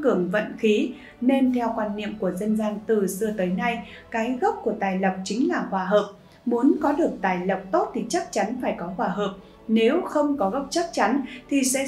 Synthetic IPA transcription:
kɨ˨˧˩əŋvə̰˧˨nxi˨˦ | ne˧nt̪ʰɛ˧wkwaː˧nːḭ˧˨əmku˧˩əzə˧nzaː˧nt̪ɨ˨˩sɨ˧ət̪əː˨˦jna˧jkaː˨˦jɣə˦˥p̚ku˧˩ət̪aː˨˩jlə˨˩p̚t͡ɕï˨˦ŋ̟laː˨˩xwaː˧˩ɦəː˨˩p̚ | mu˨˦ənkɔ˨˦ɗɨ˨˩ək̚t̪aː˨˩jlə˨˩p̚t̪o˦˥t̚t̪ʰi˨˩t͡ɕa˦˥k̚t͡ɕa˨˦nfaː˧˩jkɔ˨˦xwaː˧˩ɦəː˨˩p̚ | ne˨˦wxə˧wŋ͡mkɔ˨˦ɣə˦˥wp̚t͡ɕa˦˥k̚t͡ɕa˨˦nt̪ʰi˨˩sɛ̰˧˥

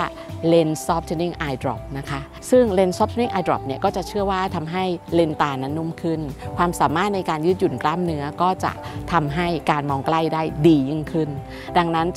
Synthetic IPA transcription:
le˧nsɔː˦˥p̚t̪ʰe˧ni˥˩ŋʔaː˧jdɾɔ̰˨˩p̚na˦˥kʰa˦˥ | sɯ˥˩ŋle˧nsɔ˦˥p̚t̪ʰni˥˩ŋʔa˧jdɾɔ̰˨˩p̚ni˥˩ɐkɔː˥˩t͡ɕa˨˩ʔt͡ɕʰɯ˥˩ɐwaː˥˩t̪ʰa˧mɦa˥˩jle˧nt̪aː˧na˦˥nːu˦˥˩mkʰɯ˥˩nkʰwaː˧msaː˩˦maː˥˩t̪̚na˧jkaː˧njɯ˦˥t̪̚ju˨˩nklaː˥˩mnɯ˦˥ɐkɔː˥˩t͡ɕa̰˨˩ʔt̪ʰa˧mɦa˥˩jkaː˧nmɔː˧ŋkla˥˩jdaː˥˩jdiː˧jɯi˥˩ŋkʰɯ˥˩n | da˧ŋna˦˥n

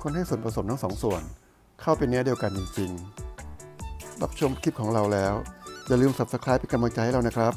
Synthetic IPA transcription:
kʰo˧nha˥˩jsu˨˩ənpʰɾa˧so˩˦mt̪ʰa˥˩sɔː˩˦ŋsu˨˩ən | kʰa˥˩wpe˧ni˥di˧əwka˧nt͡ɕi˧ŋt͡ɕi˧ŋ | ɾa̰˦˥p̚t͡ɕʰo˧m˦kʰi˦˥p̚kʰɔː˩˦ŋɾa˧wlɛː˦˥wt͡ɕa˨˩lɯː˧msa˨˩p̚sa˧kʰɾaː˦˥jpa˧nka˧mla˧ŋt͡ɕa˧jha˥˩ɾa˧˩na˦˥kʰɾa˦˥p̚

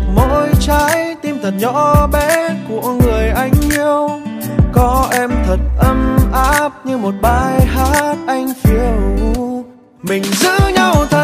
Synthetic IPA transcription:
mɔ̰˧˨jt͡ɕaː˨˧˦jt̪i˧mt̪ʰə˨˩t̚ɲɔ̰˧˥ɓɛ˧˥ku˧˩əŋɨ˨˩əjʔa˧˩jŋ̟ʔi˧əwkɔ˨˦ʔɛ˧mt̪ʰə˨˩t̚ʔə˧mʔaː˧˦˥p̚ɲɨ˧mo˨˩t̚ɓaː˧˩jɦaː˦˥t̚ʔa˧jŋ̟fi˧˩əw | mï˨˩ŋ̟zɨ̰˧˥ɲa˧wt̪ʰə˨˩

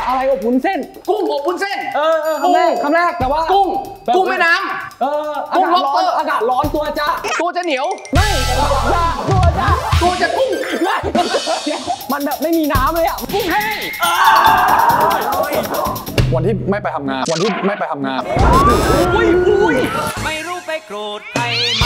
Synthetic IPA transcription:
ʔa˧ɾa˧jʔɔ˨˩p̚ʰːu˧˦nse˥˩nku˥˩ŋɔ˨˩p̚u˧˥˦nse˥˩nʔɤː˧a˧˩a˥˩jkʰa˧˥˩mɾɛː˥˩k̚t̪ɛː˨˩waː˥˩ku˥˩ŋɛ˨ku˥˩ŋa˥˩naː˦˥mʔɤː˧a˧kuː˥˨˩ŋlo˦˥˩lɔː˦˥nː˧˩aː˧kaː˨˩t̪̚lɔː˦˥nt̪u˧ɐt͡ɕa˧˥t̪u˧ɐt͡ɕa˨˩ni˨˩˦əwma˥˩j̪ɛ˨˩a˧o˨˩t̚jaː˧˩˨t̪u˧ɐ˧t͡ɕa˧˥t̪u˧ɐt͡ɕa˨˩ku˥˩ŋma˥˩˧ | ma˧nbɛː˨˩p̚ma˥˩jmiː˧naː˦˥mlɤː˧jʔa˨˩ʔma˧nku˥˩ŋɦa˥˩˧ | oː˧˥˩j | kʰoː˧nʰiː˥˩˨ma˥˩jpa˧jt̪ʰa˧mŋaː˧ku˧nʰiː˥˩ma˥˩jpa˧jt̪ʰa˧mŋaː˧m˧˩˧ | j | ma˥˩jɾuː˥˩pa˧jkɾoː˨˩t̪̚pa˧j

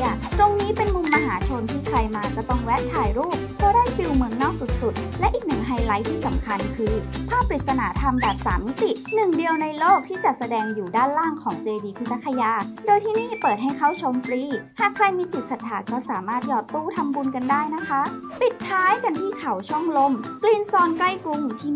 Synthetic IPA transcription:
t̪o˧ŋniː˦˥pe˧nmu˧ŋma˧ɦaː˩˦t͡ɕʰo˧nt̪ʰiː˥˩kʰɾa˧jmaː˧kɔ˧˩t̪ɔ˥˩ŋwɛː˦˥p̚t̪ʰaː˨˩jɾuː˥˩p̚kɔː˦˥˩daː˥˩jfi˧wmɯ˧əŋnɔː˥˩k̚su˨˩t̪̚su˨˩t̪̚lɛ˦˥ʔiː˨˩k̚nɯ˨˩ŋɦa˧jla˦˥jt̪ʰiː˥˩sa˩˦mkʰa˧nkʰɯː˧pʰaː˥˩p̚ːɾi˨˩t̪̚sa˧naː˩˦t̪ʰa˧mbɛː˨˩p̚sa̰ː˩˦mːi˦˥t̪i˨˩nɯ˨˩ŋdi˧əwna˧jloː˥˩k̚t̪ʰiː˥˩t͡ɕa˨˩sa˧dɛː˧ŋjuː˨˩daː˥˩nlaː˥˩ŋkʰɔː˩˦ŋteː˧diː˧pʰɯ˦˥t̪sa˧˥kʰːa˧jaː˧doː˧jt̪ʰiː˥˩niː˥˩pɤː˨˩t̪̚ha˥˩jkʰa˥˩wt͡ɕʰo˧mfɾiː˦˥˩haː˨˩kʰɾa˧jmiː˧t͡ɕi˨˩t̪̚sa˨˩t̪̚ʰːaː˨˩˦kɔː˥˩saː˩˦maː˥˩t̪̚jɔː˧˩t̪ːuː˥˩t̪ʰa˧mbu˧nka˧ndaː˥˩jna˦˥kʰa˦˥ʔ | pi˨˩t̪̚t̪ʰːaː˦˥jka˧nt̪ʰiː˥˩kʰa˩˦wt͡ɕʰɔ˥˩ŋlo˧˩mkliː˧nsɔː˧nkla˥˩jku˧˥ŋt̪ʰi˧˩

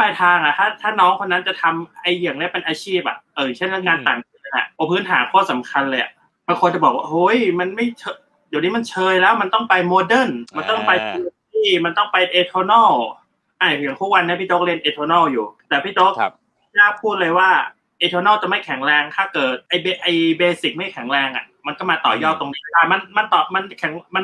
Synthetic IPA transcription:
a˧jt̪ʰaː˧ŋa˧˨˩t̪ʰaː˥˩t̪ʰaː˥˩nɔː˦˥ŋkʰo˧nːa˦˥nt͡ɕa˨˩t̪ʰa˧mʔa˧jjaː˨˩ŋni˦˥˩pe˧nʔaː˧t͡ɕʰiː˥˩p̚a̰˨˩ʔa˧˩jɯ˨˩ŋt͡ɕʰe˥˩nɾŋkaː˧nt̪aː˨˩ŋi˨˩˧ʔa̰˧˩pʰɔː˧˩pʰɯː˦˥nt̪ʰaː˩˦kʰɔː˥˩sa˩˦mkʰa˧nlɤː˧ja̰˨˩ | baː˧ŋkʰo˧nt͡ɕa˨˩bɔː˨˩k̚waː˥˩ʔo˦˧˥jma˧nma˥˩jt͡ɕʰɤ˧ | ja˨˩wni˦˥˩ma˧nt͡ɕʰɤː˧jlɛː˦˥wma˧nt̪ɔ˥˩ŋpa˧jmoː˧dɤ˥˩nma˧nt̪ɔ˥˩ŋpa˧ji˧tiː˥˩ma˧nt̪ɔ˥˩ŋpa˧jʔeː˧t̪ʰoː˧nɔː˥˩w | ʔaː˧˩˨t̪ʰu˦˥k̚wa˧nː˧˦˥ɐpʰiː˥˩t͡ɕo˦˥k̚li˧ənʔeː˧t̪ʰoː˧nɔː˥˩wjuː˨˩t̪ɛː˨˩pʰiː˥˩t͡ɕo˦˥k̚ | pʰi˥˩t͡ɕaː˦˥˩pʰuː˥˩t̪̚lɤː˧jwaː˥˩ | ʔeː˧t̪ʰoː˧nɔː˥˩wt͡ɕa˨˩ma˥˩jkʰɛ˨˩˦ŋɾɛː˧ŋt̪ʰaː˥˩kɤː˨˩t̪̚ʔa˧jbe˧ʔa˧jbeː˧si˨˩k̚ma˥˩jkʰɛ˩˦ŋɾɛː˧ŋʔa̰˨˩ | ma˧nkɔː˥˩maː˧t̪ɔː˨˩jɔː˥˩t̪ːo˧ŋniː˦˥˩aː˧˩ma˧nma˧nt̪ɔː˨˩ma˧nkʰɛ˩˦ŋma˧n

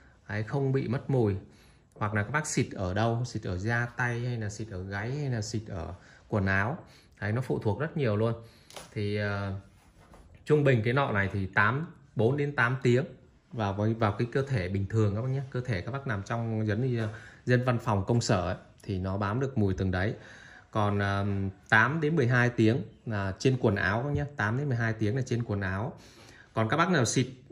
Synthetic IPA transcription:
ʔaː˨˦jxə˧wŋ͡mɓḭ˧˨mə˦˥t̚mu˨˩j | hwa˨˩k̚laː˨˩kːaː˨˦˥k̚ɓaː˦˥k̚si˨˩t̚ʔəː˧˩ɗə˧wsi˨˩t̚ʔəː˧˩zaː˧t̪a˧jha˧jlaː˨˩si˨˩t̚ʔəː˧˩ɣa˨˦jha˧jlaː˨˩si˨˩t̚ʔəː˧˩ | ku˧˩ənaː˨˦w | ʔa˨˦jnɔ˨˦fṵ˧˨t̪ʰu˨˩ək̚zə˦˥t̚ɲi˨˩əwlu˧ən | t̪ʰi˨˩əː˨˩ | t͡ɕʊ˧ŋ͡mɓï˨˩ŋ̟k̬aː˨˦jnɔ̰˧˨na˨˩jt̪ʰi˨˩t̪aː˨˦mɓo˨˦nɗe˨˦nt̪aː˨˦mt̪i˨˦əŋ | vaː˨˩wvə˨˦vaː˨˩wkaː˨˦jkəː˧t̪ʰe˧˩ɓï˨˩ŋ̟t̪ʰɨ˨˩əŋʔa˨˧˦wɲaː˧kəː˧t̪ʰe˧˩kaː˦k̚ɓa˦˥k̚na˨˩mt͡ɕɔ˧wŋ͡mzə˨˦nɲɨ˧zə˧nva˧nfa˨˩wŋ͡mkə˧wŋ͡msəː˧˩ʔə˨˦ | t̪ʰi˨˩nɔ˨˦ɓaː˨˦nɗɨ˨˩ək̚mu˨˩əjt̪ɨ˨˩ŋɗə˨˦j | kɔ˨˩nʔəː˨˩t̪aː˨˦mɗe˨˦nmɨ˨˩əjɦaː˧jt̪i˨˦əŋlaː˨˩t͡ɕe˧nkwə˨˩ənʔa̰ː˨˦wʔa˨˦ɲaː˧t̪aː˨˦mɗe˨˦nmɨ˨˩ɦaː˧jt̪i˨˦əŋlaː˨˩t͡ɕe˧nkwənʔaː˨˦w | kɔ˨˩nkaː˦˥ɓa˦˥k̚naː˨˩msi˨˩p̚

